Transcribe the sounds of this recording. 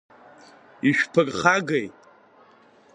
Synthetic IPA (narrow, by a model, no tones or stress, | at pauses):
iʃᶣpʰɨrʼχaɡejtʼ